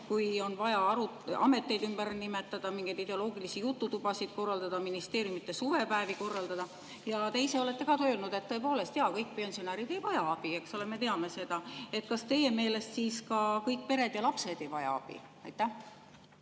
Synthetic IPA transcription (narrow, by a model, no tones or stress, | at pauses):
kujo̞nvɑjɑɑɾu | ɑ̰me̞t̪ˑːe̞jd̪ymb̥æɾnime̞t̪ːˑɑd̪̥ɑmiŋɡejd̪id̪e̞o̞lo̞ːɡilisijut̪ːut̪ub̥ɑsid̪̥̚ko̞rːɑld̪ɑd̪̥ɑminist̪e̞ːɾjumit̪ːˑesuvepæːviko̞rːɑld̪ɑd̪̥ɑ | jɑt̪e̞jse̞ole̞t̪ːe̞kɑt̪øːlnud̪̥e̞t̪ːɤ̞e̞po̞ːle̞st̪jɑkɤjk̚ːˑpensionɑɾid̪e̞jvɑjɑɑb̥ie̞kso̞le̞me̞t̪e̞ɑme̞se̞d̪̥ɑe̞t̪kɑst̪e̞je̞me̞ːle̞st̪siːskɑkɤjk̚ːpe̞ɾe̞d̪̥jɑlɑpse̞d̪̥e̞jvɑjɑ̰ɑb̥ḭ | ɑ̰jt̪ːˑæh